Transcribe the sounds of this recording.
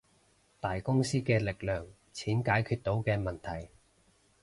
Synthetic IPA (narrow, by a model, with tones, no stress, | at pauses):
t̪aː˨jkʊ˥ŋsiː˥kɛː˧lɪ˨k̚lœː˨˩ŋ | t͡sʰiː˨˥nkaː˨˥jkʰyː˧t̚t̪o˨˥wkɛː˧mɐ˨nt̪ʰɐ˨˩j